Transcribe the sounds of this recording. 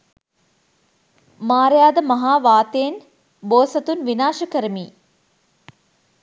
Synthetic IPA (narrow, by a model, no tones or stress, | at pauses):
maːɾjaːd̪əmɐɦaːʋaːt̪ejen | boːsɐt̪unʋinaːʃəkəɾəmiː